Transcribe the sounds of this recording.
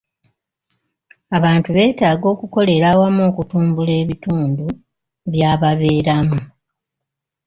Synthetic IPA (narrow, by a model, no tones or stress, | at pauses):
aβaːntuβe̞ːtaːɡo̞ːkuko̞le̞ɾawamoːkutuːmbule̞ːβituːndu | βjaːβaβe̞ːɾamu